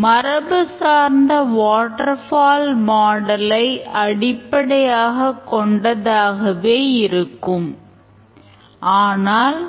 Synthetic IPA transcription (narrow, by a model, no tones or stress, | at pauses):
mɐɾɐbɯsaːɾnd̪ɐʋaːʈːɐɾfaːlmaːɽɐlɐɪʔɐɽɪpːɐɽɐjaːɣɐkːɔɳɖɐðaːɣɐʋeːɪɾɯkːɯm | ʔaːnaːl